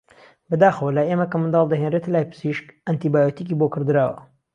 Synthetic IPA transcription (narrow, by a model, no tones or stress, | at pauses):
bɐd̪aːxɐwɐlaemɐkɐmɨnd̪ɑːlˠd̪ɐɦenret̪ɐlaːjpɨ̥siʃkant̪ibaːjot̪ikiːbokɨɾd̪ɨɾaːwɐ̰